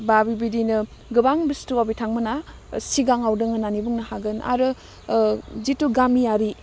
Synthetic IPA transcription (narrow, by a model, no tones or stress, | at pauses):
babibidinɯ | ɡɯbaŋbistuabitʰaŋmɯna | siɡaŋawdɯŋɯnanibuŋnɐhaɡɯna̰ɾɯ | zituɡamijaɾi